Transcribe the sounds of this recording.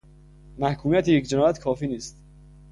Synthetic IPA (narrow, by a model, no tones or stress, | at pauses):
mæhkʰuːmijæt̪ʰijecd͡ʒenɒːjæt̪kʰɒːfiːniːst̪